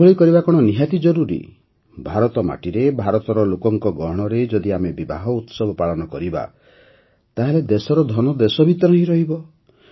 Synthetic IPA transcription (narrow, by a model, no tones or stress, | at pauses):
oɭikɔɾibakɔɽ̃ɔniɦat̪id͡ʒɔɾuɾḭ | bʱaɾɔt̪ɔma̰ʈiɾebʱaɾɔt̪ɔɾɔlokɔŋkɔɡɔɦɽ̃ɔɾed͡ʒɔd̪iamebiba̰ɦɔut̪sɔbʱɔpaɭɔnɔkɔɾiba̰ | t̪aɦeled̪esɔɾɔd̪ʱɔnɔd̪esɔbʱit̪ɔɾɔɦĩɾɔɦibɔ